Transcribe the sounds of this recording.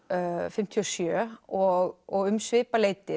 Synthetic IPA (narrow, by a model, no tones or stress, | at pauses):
fɪm̥t̪ʰiɔsjœːɔɣɔɣʏmsvɪːpaleːjt̪ɪ